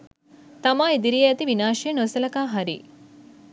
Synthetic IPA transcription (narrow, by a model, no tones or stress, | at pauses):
t̪ɐmaːed̪iɾijɐɐt̪iʋinaːʃienosɐlɐkaːɦaɾḭ